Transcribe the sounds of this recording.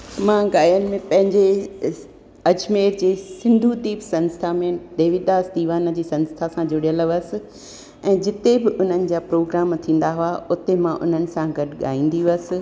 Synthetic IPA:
mãːɡaːjənɪ̆mẽpɐ̃ɦɪ̃ɲd͡ʑe | ɐd͡ʑmeːɾd͡ʑeːsɪ̃nd̪ʱud̪iːpsɐ̃nst̪ʰamẽɖeːʋɪd̪aːsd̪iːʋaːnə̆d͡ʑiːsɐ̃nst̪ʰasãd͡ʑʊɽijələʋəsɪ̆ | ɛ̃ːd͡ʑɪt̪ebɪʔʊn̤ənɪ̆d͡ʑaːpɾoːɡɾaːmt̪ʰĩːn̆d̪aɦʊaʊt̪emãʔʊ̰n̤ənɪ̆sãɡɐdɠa̰ːĩːn̆d̪iəsɪ̆

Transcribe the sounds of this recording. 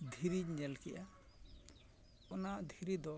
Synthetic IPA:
d̪ʱiɾiɲɛlkɛʔa | ɔnad̪ʱiɾid̪ɔ

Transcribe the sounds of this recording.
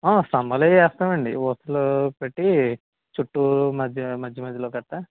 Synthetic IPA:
aːsɐmbɐlejɛːst̪aːʋɐɳɖiʋɔːst̪ɐlopeʈːi | t͡ʃuʈːumɐd͡ʒʱɐmɐd͡ʒʱjɐmɐd͡ʒ̪ʱːɐloːkɐʈːa

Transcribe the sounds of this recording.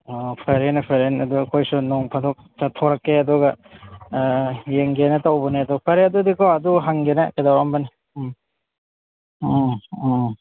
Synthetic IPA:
ɔpʰeɾenɐpʰeɾenɐdukʰojsunɔŋpʰɐdɔk̚tatʰɔɾɐkːeɐdɔɡɐ | jeŋɡenɐtawbɐneɐdɔpʰeɾeɐdudikʰoɐduɦaŋɡena̰kadawambɐni

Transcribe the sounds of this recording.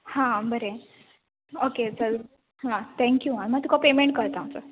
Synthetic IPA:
hãbəɾe | okesəɾ | ɦãt̪ʰɛ̃ŋkjuaɽ̃iməɡt̪ukʰapemeɳʈ̚kəɾt̪amsə̰ɾ

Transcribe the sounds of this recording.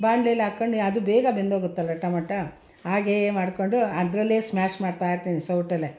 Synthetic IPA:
baːɳɖleːlaːkːɐɳɖuɐd̪ubɛːɡɐbend̪oːɡut̪ːɐlːɐʈːɐmɐʈːɐ | aːɡemaːɽkoɳɖuɐd̪ɾɐlːeːsmaːʃmaːɖt̪aːjiɾt̪iːnisɐwʈɐlːe

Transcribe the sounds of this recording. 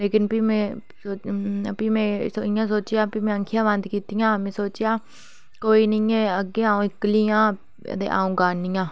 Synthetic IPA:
leːkɪnpiːmẽː | oːpiːmɛ̃ːsɪjãːsoːt͡ʃɪjaːpiːmẽːŋkʰɪjãːʋənd̪kiːt̪ijãːmɛ̃ːsoːt͡ʃɪjaː | koːiːnəĩːẽːəɡːeːãːõːɪkliːã̰ː | t̪ḛːʔa̰ːũːɡaːnːiːãː

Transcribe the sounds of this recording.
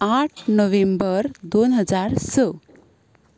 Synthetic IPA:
aʈʰnəʋembəɾd̪onɦəd͡zaɾsə

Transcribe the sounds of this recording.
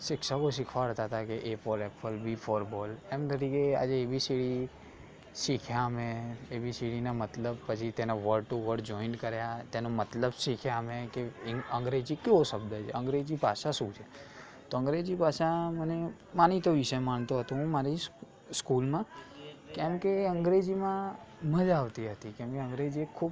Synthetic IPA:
ʃɪkʃakoʃɪkʰʋaɾət̪aɦt̪akeʔefɔɾɛpəlbʱifʰɔɾbɔlemd̪əɾikea̰d͡ʒeːʋisiɽi | ʃikʰjameeʋisiɽinamət̪ləb̚pət͡ʃʰit̪enaʋəɾɖʈuʋəɾɽd͡ʒɔinkəɾjat̪enomət̪ləbʃikʰjaəmekeə̃ŋɡɾed͡ʒikeoʃəbd̪ʱət͡ʃʰḛə̃ŋɡɾed͡ʒipaʃaʃũt͡ʃʰe | t̪oə̃ŋɡɾed͡ʒipaʃãməne | manit̪oʋɪʃəmaɳ̃t̪oɦət̪ũɦũmaɾi | skulmãkɛmkeə̃ŋɡɾed͡ʒimãməd͡ʒaʋt̪iɦət̪ikɛ̃mkeə̃ŋɡɾed͡ʒiekʰub

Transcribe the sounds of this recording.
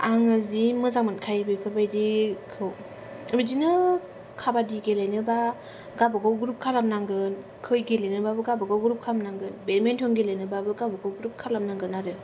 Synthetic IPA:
aŋɯzimɯzaŋmankʰajbɯjpʰɯbajdikʰɯw | bidinɯ | kʰabadiɡelajnɯba | ɡabɯɡawɡɾup̚kʰalamnaŋɡɯn | kʰɯjɡelajnɯbabɯɡabɯɡawɡɾup̚kʰalamnaŋɡɯnbeɾmentʰɔnɡilajnɯbabɯɡabɯɡawɡɾup̚kʰalamnaŋɡɯɾnaɾɯ

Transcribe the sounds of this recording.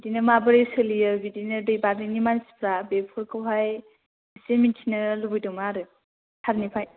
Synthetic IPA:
bdinɯmabɯɾesɯlijɯbidinɯdɯjbaɾinimansi̥pʰɾabepʰɔɾkʰɯwɦaj | semintʰinɯlubɯjdɔmaɾɯ | hʰaɾnipʰaj

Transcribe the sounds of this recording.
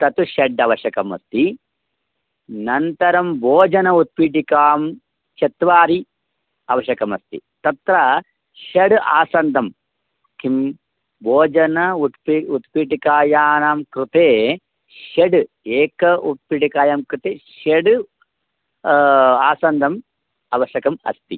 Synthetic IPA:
t̪ɐt̪uʃɐɖɐʋɐʃɐkɐmɐ̰st̪i | nɐnt̪ɐɾɐmbʱoːd͡ʒɐnɐut̪̚piːʈikaːm | t͡ʃɐt̪ʋaːɾi | ɐʋɐʃɐkɐmɐst̪ḭt̪ɐt̪ɾɐ | ʃɐɖa̰ːsɐnd̪ʱɐm | kʰim | boːd͡ʒɐnɐut̪piut̪piːʈikaːjaːnaːmkɾut̪eː | ʃeɖ | eːkɐut̪̚piʈikaːjaːmkɾut̪eːʃɐɖ | aːsɐnd̪ʱɐm | ɐʋɐʃɐkɐmɐ̰st̪i

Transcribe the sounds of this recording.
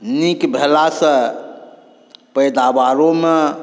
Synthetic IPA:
nikbʱelasə̃ | pəjd̪abaɾome

